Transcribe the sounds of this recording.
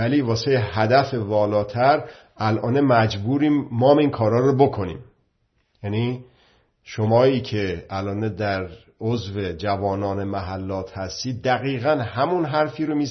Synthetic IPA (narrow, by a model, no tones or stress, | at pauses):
æliːvɒːsejhæd̪æfe̞vɒːlɒːt̪ʰæɾ | ælʔɒːnemæd͡ʒbuːɾiːmːɒːmiːnkʰɒːɾɒːɾobokʰo̞nḭːm | jæni | ʃomɒːiːcʰe̞ælʔɒːned̪æɾ | ozve̞d͡ʒævɒːnɒːne̞mæɦælːɒːt̪ʰhæst̪iːd̪̚ːæɣiːɣænhæmunɦæɾfiːɾomiː